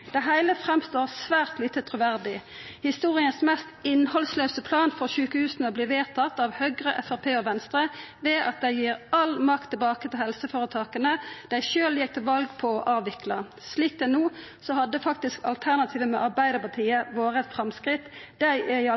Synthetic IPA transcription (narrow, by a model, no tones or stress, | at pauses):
d̪̥æɪɦæɪləfʁɛmst̪oːʁsʋæːʁt̪liːt̪ət̪ʰʁʊʋæʁd̪ɪ | hɪst̪uːʁɪənsmɛst̪ɪnhɔlslœʉsəpʰlɑːnfɔʁʃʉːkəhʉːsnəɔbliːʋeːʁt̪ʰɑt̪ːɑʋhœɡʁəʔɛfæʁpʰeːɔʋɛnst̪ʁəʋeːʔɑ̰t̪̚d̪æɪjiːʁɑlmɑkt̪ʰːɪlbɑːkət̪ɪlhɛlsəfoːʁət̪ʰɑːkənəd̪̥æɪʃøːljɛk̚t̪ɪlʋɑlɡpʰɔʔɑːʋɪklɑ | sliːk̚d̪ɛnuː | sɔhɑd̪ːəfɑk̚t̪ɪskɑ̰lt̪ʰæʁnɑt̪ʰiːʋəmɛ̰ʔɑʁbæɪd̪əʁpɑt̪ʰiːəʋoːɾəɛt̪fɾɑmskɾɪt̪d̪æɪʔæɪ